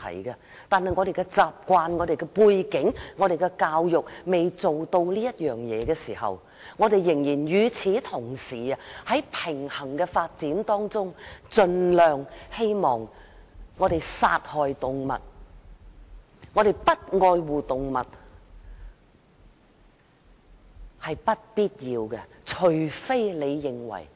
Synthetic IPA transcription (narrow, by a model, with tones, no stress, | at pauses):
t̪ʰɐ̰˨˩jɡɐ˧ | t̪aː˨nhɐ˨jŋɔː˨˧ɾe˨jkɛ˧t͡saː˨p̚kʷaː˧nŋɔː˨˧ɾe˨jkɛ˧puː˧jkɪ˨˥ŋŋɔː˨˧ɾe˨jkɛ˧kaː˧wjʊ˨k̚me˨jt͡so˨wt̪o˧wliː˥jɐ˥t̚jœː˨ŋjɛ̰ː˨˧ɡɛː˧siː˨˩hɐ̰˨˩w | ŋɔː˨˧ɾe˨jːɪ˨˩ŋjiː˨˩njyː˨˧t͡sʰiː˨˥t̪ʰʊ˨˩ŋsiː˨˩ɐ˧hɐ˨˥jpʰɪ˨˩ŋhɐ˨˩ŋkɛː˧faː˧t̚t͡siː˨˥nt̪ɔː˥ŋt͡sʊ˥ŋt͡sɵ˧nlœː˨ŋhe˥jmɔː˨ŋŋːɔː˨˧ɾe˨jsa̰ː˧t̚hɔː˨jt̪ʊ˨ŋmɐ̰˨t̚ | ŋɔː˨˧ɾe˨jpɐ˥t̚ŋɔː˧jwuː˨t̪ʊ˨ŋmɐ̰˨t̚ | hɐ˨jpɐ˥t̚piː˥t̚jiː˧wkɛ˧t͡ʃʰɵ˨˩ɥfe˥jle˨˧jːɪ˨ŋwɐ̰˨˩j